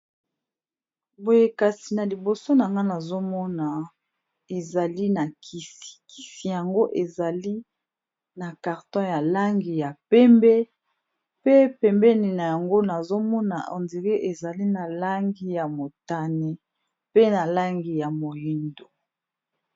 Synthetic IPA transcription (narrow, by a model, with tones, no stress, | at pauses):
bo˨je˨ka˨si˨na˨li˨bo˨so˦na˨ŋɡa˦na˨zo˦mɔ˦na˨ | e˨za˨li˦na˨kʰi˨si̥˨ki̥˨si˨ja˨ŋɡo˦ʔe˨za˨li˦ | na˨ka˨ʁtɔ̃˦ja˨la˦ŋɡi˨ja˨pɛ˦mbɛ˦ | pe˦pɛ˨mbɛ˦ni˨na˨ja˨ŋɡo˦na˨zo˦mɔ˦na˨o̰˨ndi˨ʁe˦ʔe˨za˨li˦na˨la˦ŋɡi˦ja˨mo˨ta˨ne˨ | pe˦na˨la˦ŋɡi˨ja˨mo˨li˦ndo˨